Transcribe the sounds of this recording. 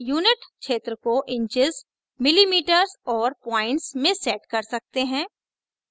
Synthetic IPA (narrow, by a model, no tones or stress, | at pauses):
juːnɪʈʃeːt̪ɾəkoʔɪ̃ɲt͡ʃɪz | mɪlimiːʈəɾzɔːɾpãːɪ̃ɳʈsmẽsɛːʈkɐɾsɐk̚t̪eɦɛ̃ː